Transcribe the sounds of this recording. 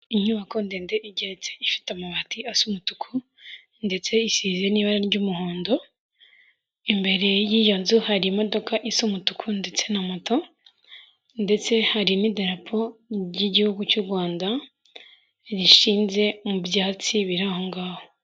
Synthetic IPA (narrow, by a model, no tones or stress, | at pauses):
iɲuβako̞ndeːnde̞ʔiɟe̞ɾet͡se̞ifi̥tamaβatiasumutu̥kʰu | nde̞t͡se̞isiːze̞niːβaɾaɾɟumuhoːndo̞ | imbe̞ɾe̞jiːjonzuhaɾimo̞do̞kaʔisumutukʰunde̞t͡se̞namoto̞ | nde̞t͡se̞haɾinideɾapʰo̞ɟiɟihuɡucuɾɡwaːnda | ɾiʃiːnze̞mubjaːt͡siβiɾaho̞ŋɡaːho